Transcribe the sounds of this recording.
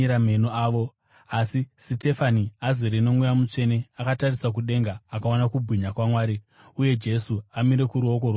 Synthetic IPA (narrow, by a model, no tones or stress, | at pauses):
iɾamenoaːʋo̞ | asisite̞faniaziɾeno̞mujamut͡ʂe̞ne̞akatarisak̬uɗe̞ŋɡaːkaonakubʱwiɲakwamwaːɾi | uje̞d͡ʒe̞suamiɾe̞kuɾuo̞k̬orwa